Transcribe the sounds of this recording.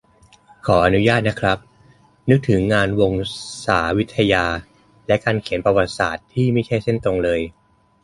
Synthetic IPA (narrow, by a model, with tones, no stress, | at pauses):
kʰɔː˩˦ʔa˧nu˦˥jaː˥˩t̪̚na˦˥kʰɾa˦˥p̚ | nɯ˦˥k̚t̪ʰɯ˩˦ŋːaː˧nwo˧ŋsaː˩˦wi˦˥t̪ʰːa˧jaː˧ | lɛ˦˥kaː˧nkʰi˩˦npɾa˧wa˨˩t̪̚sa̰ː˨˩t̪ʰːiː˥˩ma˥˩jt͡ɕʰa˥˩jse˥˩nt̪o˧ŋlɤː˧j